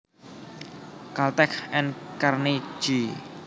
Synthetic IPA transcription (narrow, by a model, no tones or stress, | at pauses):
kalt̪ɛkʰɛnkarni̥d͡ʒ̥i